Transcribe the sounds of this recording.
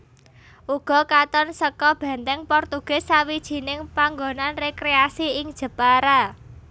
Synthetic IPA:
ʔuɡ̥ɔ̤kat̪ɔnsəkɔb̥ɛ̤nt̪ɛŋpɔrt̪uɡ̥ɛ̤sawid̥ʒ̥i̤nɪŋpaŋɡonanrekɾeasiɪŋd̥ʒ̥ə̤paɾa

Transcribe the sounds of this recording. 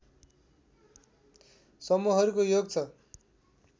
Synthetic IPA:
sʌmuɦʌɾukojoɡ̚t͡sʰʌ

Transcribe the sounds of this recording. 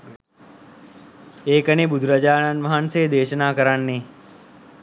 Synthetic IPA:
eːkənebud̪ʱuɾɐd͡ʒaːnanʋaɦanseːd̪eːʃənaːkəɾanːe

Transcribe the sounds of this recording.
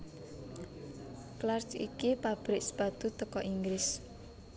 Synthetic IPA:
klart͡ʃḭkipab̥ɾɪkspad̪̥ṳt̪əkɔʔiŋɡɾɪs

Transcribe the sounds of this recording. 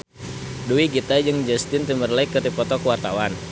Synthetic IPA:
duiɡit̪ad͡ʒɨŋd͡ʒɛst̪ɪnt̪imərlaikːət̪ipɔt̪ɔkəwart̪awan

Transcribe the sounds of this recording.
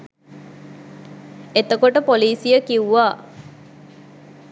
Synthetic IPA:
et̪əkoʈəpoliːsijəkiwuʋaː

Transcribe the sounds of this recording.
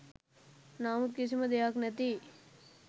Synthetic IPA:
naːmut̪̚kisimɐd̪ejaːknɐt̪i

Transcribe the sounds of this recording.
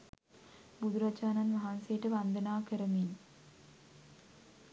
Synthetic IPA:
bud̪uɾat͡ʃaːnanʋaɦansejʈəʋand̪ənaːkəɾəmin

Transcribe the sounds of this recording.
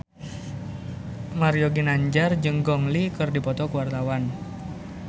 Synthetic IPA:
maɾijɔɡinaɲd͡ʒard͡ʒɨŋɡɔŋlikɨrdipɔt̪ɔkuwart̪awan

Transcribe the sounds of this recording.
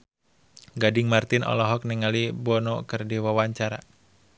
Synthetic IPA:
ɡadɪŋmart̪ɪnʔɔ̰lɔɦɔk̚niŋalibɔnɔkɨrdiwawaɲt͡ʃaɾa̰

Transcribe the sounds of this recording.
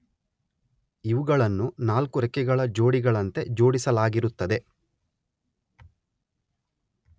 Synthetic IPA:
iʋuɡɐɭɐnːunaːlkuɾɛkɛɡɐɭɐd͡ʒo̞ːɽiɡɐɭɐnt̪e̞d͡ʒo̞ːɽisɐlaːɡiɾut̪ːɐd̪e̞

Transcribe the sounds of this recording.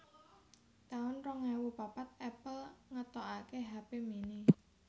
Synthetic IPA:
t̪aʊnrɔŋɛwupapat̪̚ɛpəlŋət̪ɔʔakeɦapemini

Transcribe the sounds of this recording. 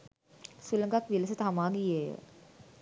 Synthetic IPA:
suləŋɡakʋiləsət̪ɦamaːɡijejə̰

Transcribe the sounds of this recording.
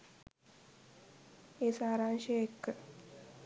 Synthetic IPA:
eːsaːɾanʃeekːə

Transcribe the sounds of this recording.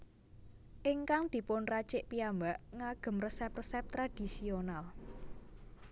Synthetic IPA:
ʔɪŋkaŋd̪̥i̤pʊnrat͡ʃɪʔpiambaʔŋaɡ̥ə̤mrəsɛprəsɛp̚t̪ɾad̪̥i̤sional

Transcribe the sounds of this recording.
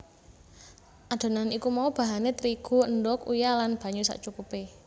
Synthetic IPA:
ʔad̪̥o̤nanikumaub̥a̤ɦanet̪ɾiɡ̥ṳəndɔkṵjalanb̥a̤ɲusa̰ʔt͡ʃukupe

